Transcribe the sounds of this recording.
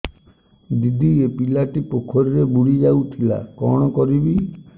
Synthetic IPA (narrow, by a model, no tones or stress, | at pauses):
d̪id̪ʱiepilaʈipokʰɔɾiɾebuɽid͡ʒawt̪ʰila̰kɔ̰ɽ̃ɔkɔɾibi